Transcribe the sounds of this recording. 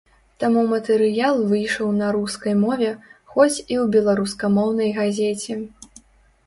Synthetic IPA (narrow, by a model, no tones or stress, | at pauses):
t̪amumɐt̪ɛɾɨjalˠvɨjʂɐwnɐɾuskɐjmɔvʲɛxɔt͡sʲiwbʲɛlˠaɾuskɐmɔwnɐjɣazʲet͡sʲɛ